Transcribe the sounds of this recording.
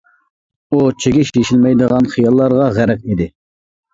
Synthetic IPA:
ut͡ʃʰeɡʲiʃjeʃilmɛjd̪əʁɑnχijɑlˠːɑɾʁɑʁæɾɛk̚ʲid̪ɪ

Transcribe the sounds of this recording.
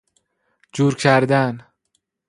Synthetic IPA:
d͡ʒuːɾcʰæɾd̪æn

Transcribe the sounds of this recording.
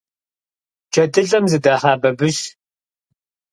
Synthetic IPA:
d͡ʒʰɐdɨɮʼɐmzɨdaːħaːbɐbɨʃ

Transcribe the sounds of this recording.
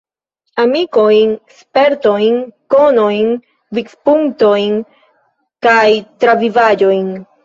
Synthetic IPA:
amiko̞jnspe̞ɾto̞jnko̞no̞jn | vikspuŋkto̞jn | kajtɾavivad͡ʒo̞jn

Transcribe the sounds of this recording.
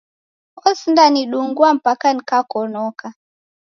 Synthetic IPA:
ɔsindaniɗuŋɡuam̩pakanikakɔnɔka

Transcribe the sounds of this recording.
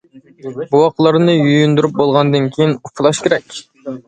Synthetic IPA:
buwɑqəlˠɑɾnɨjujynd̪uɾyp̚bolˠʁɑnd̪ɨnkʲʰejɪnupʰɨlˠɑʃkʲʰeɾɛkʲ

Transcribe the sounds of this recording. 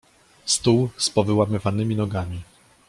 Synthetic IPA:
st̪uwspɔvɘwamɘvanɘmʲinɔɡamʲi

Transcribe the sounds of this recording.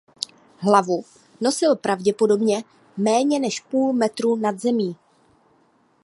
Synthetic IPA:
ɦlavu | no̞sɪlpɾavɟɛpo̞do̞bɲɛ | mɛːɲɛnɛʃpuːlmɛt̪ɾuːnad̪zɛmiː

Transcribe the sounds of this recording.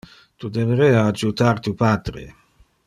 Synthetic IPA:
t̪ud̪eveɾɛːaːd͡ʒut̪aɾt̪upaːd̪ɾḛ

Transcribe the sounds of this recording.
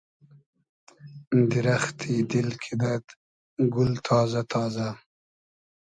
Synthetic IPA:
d̪ɪɾaxt̪ʰid̪ɪlkʰid̪at̪ | ɡʊlt̪ʰɑːzat̪ʰɑːza

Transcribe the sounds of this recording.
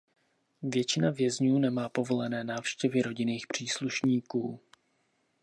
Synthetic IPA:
vjɛt͡ʃɪnavjɛzɲuːnɛmaːpo̞vo̞lɛnɛːnaːfʃcɛvɪɾo̞ɟɪniːxpr̝̥iːsluʃɲiːkuː

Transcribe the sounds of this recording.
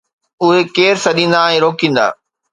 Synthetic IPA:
ʊɦekeːɾsɐɗĩːn̆d̪aɛ̃ːɾoːkĩːn̆d̪a̰ː

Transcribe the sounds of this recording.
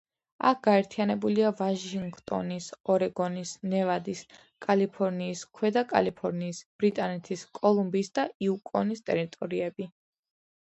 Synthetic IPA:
a̰k̚ʰɡ̥aɛɾt̪ʰianɛbuliavaʃiŋɡt̪ʼɔ̰nisɔɾɛɡɔnisnɛvad̪is | kʼalipʰɔɾniːskʰwɛd̪akʼa̰lipʰɔɾniːsb̥ɾit̪ʼanɛt̪ʰiskʼɔlˠumbisd̪aiukʼɔnist̪ʼɛɾit̪ʼɔɾiɛbi

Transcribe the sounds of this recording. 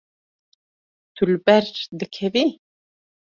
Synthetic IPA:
t̪ʰulbɛɾd͡ʒd̪ɨkʰɛvi

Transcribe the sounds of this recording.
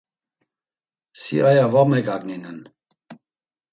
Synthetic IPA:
sḭʔajavamɛkaɡninən

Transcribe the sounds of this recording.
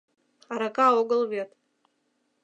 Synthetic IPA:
aɾakaoɡəlˠvet̪

